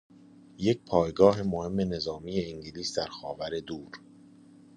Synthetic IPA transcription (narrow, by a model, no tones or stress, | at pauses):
je̞c̚pʰɒːjɡɒːɦe̞mohe̞mːe̞ne̞zɒːmije̞iŋɟiliːsd̪æɾxɒːvæɾe̞d̪uːɾ